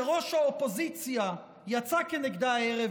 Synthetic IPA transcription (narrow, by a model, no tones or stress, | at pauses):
ʁoʃaopozit͡sja | jat͡sakɛnɛɡd̪aaɛʁɛ